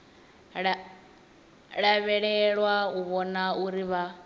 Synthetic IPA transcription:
ɺ | ɺaβɛɺɛɺwauβɔnauɾiβa

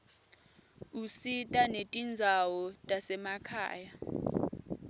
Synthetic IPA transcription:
usitʼanetʼind͡zʱawɔtʼasɛmakʰa̰ːja

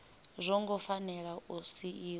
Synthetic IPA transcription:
zʷɔŋɡɔfanɛɺausiʔiː

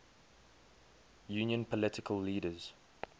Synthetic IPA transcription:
jʉːnjə̃npʰəlɪtʰɪkʰəlːiːdəz̥

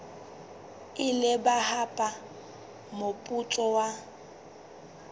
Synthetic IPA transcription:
ɪlɪbahapʼa | mopʼutʼɔwa

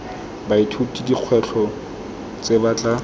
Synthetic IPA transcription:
baitʰutʼidiq͡χʰwɛɬʰɔ | t͡sebat͡ɬʼa

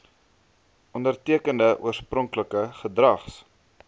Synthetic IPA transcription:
ʔɔndərtiəkəndəʔṵərsprɔŋkləkəχədrɐχs

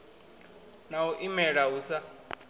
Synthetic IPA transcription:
nawɔʔimɛɺaɦusa

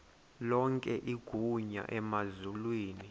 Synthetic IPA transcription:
lɔŋkʼɛʔiɡ̥ʱuɲa̰ʔɛmazulwiːni

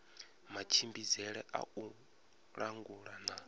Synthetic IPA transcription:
mat͡ʃʰimbizɛɺɛʔa̰u | ɺaŋɡuɺana

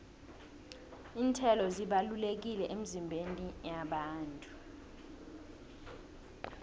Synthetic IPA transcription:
iːntʰɛlɔziɓalulek̬ilɛʔemizimbʱenijaɓaːntʼu

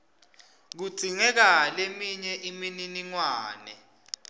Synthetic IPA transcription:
k̬u̥ɡ͡ǀ̥ʱiŋɛk̬alemiɲɛʔimininiŋwaːnɛ̰

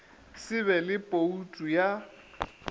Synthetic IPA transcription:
sɪβɛlɪpʼoutʼuja

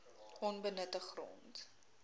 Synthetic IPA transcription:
ʔɔnbənətəχrɔ̰nt

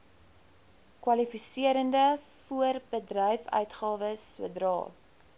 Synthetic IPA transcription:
kwɐlifisiəɾəndəfuərbədrœjfœ̰ɥtχɑːvəsːuədrɑ̰ːl

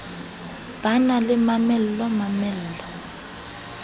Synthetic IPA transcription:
b̥analɪmamɛl̩lɔmamɛl̩lɔ

